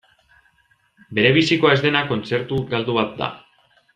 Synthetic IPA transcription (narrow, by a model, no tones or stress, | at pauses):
be̞ɾe̞βisiko̞ae̞zd̪enako̞nt͡se̞ɾt̪uɡald̪uβat̪̚d̪a̰